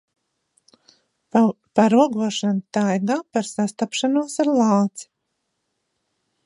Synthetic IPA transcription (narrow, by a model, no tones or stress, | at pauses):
paɾuɔɡuɔʃant̪ajɡaːpaɾsast̪apʃanuɔsaɾlˠaːt̪si̥